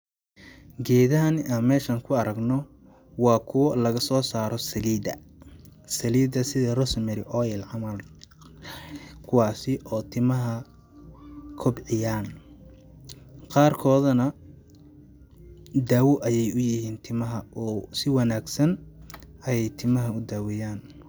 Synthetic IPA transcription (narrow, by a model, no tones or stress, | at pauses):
ɡɛːðɐɦɐnaːnmɛːʃaːŋkʰʊɐɾɐɡnɔ | wɑːkʰʊwɐlɐɣɐsɔːsaːɾɔsɐliːd̪ɐ̰ | sɐliːdɐsɪðɐrɔsmɪɾɪʔɔːjɛlʕɑmɐl | kʰʊwɑːsɪʔɔːt̪ʰɪmɐɦɐ | kʰɔbʕɪjaːn | qɑːrkʰɔːðɐnɐ | d̪aːwɔʔɐjɛjʊjɪhiːnt̪ʰɪmɐɦɐʔɔsɪwɐnaːɡsɐn | ɐjɛjt̪ʰɪmɐɦɐʊd̪aːwɛjaːn